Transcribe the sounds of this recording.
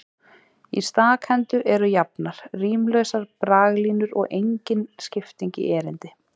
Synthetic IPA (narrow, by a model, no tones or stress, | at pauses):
ḭst̪aːkhɛnt̪ʏʔɛɾʏjapnaɾ̥riːmlœɥsaɾpɾaːɣliːnʏɾɔ̰ɣʔejɲcɪnscɪft̪iɲcɪ̰ʔɛːɾɪnt̪ɪ